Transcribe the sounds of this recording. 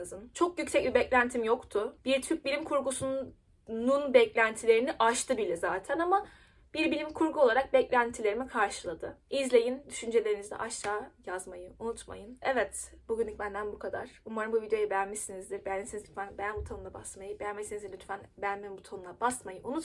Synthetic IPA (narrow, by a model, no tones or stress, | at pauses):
ɯzɯnt͡ʃʰo̞k̚jycsɛc̚bʲibɛclʲænt̪ʰimjo̞kt̪ʰʊb̥iɾt̪ʰyɾp̚bilʲimkʰuɾɡusu | nunbɛclʲænt̪ʰilʲe̞ɾiniʔaʃt̪ʰɯbilʲɛzaːt̪ʰænama | b̥iɾbilʲimkʰuɾɡuo̞lˠaɾak̚bɛclʲænt̪ʰilʲeɾimikʰaɾʃɯlˠad̪ɯizlʲe̞jind̪yʃynd͡ʒe̞lʲeɾinizd̪ɛ̰ʔaʃt̪aːjazmajɯunut̪ma̰jɯnɛvɛt̪buɟʲynlʲːic̚bænd̪ænbukʰad̪a̰ɾ̥umaɾɯmbuvid̪ejo̞jibejænmisinizd̪iɾbɛjænmesinizyt̪fænbejbut̪ʰanɯnˠabasmajɯbejænmesinizinyt̪fænbejænmembut̪ʰanunˠabasmajɯʔunut̪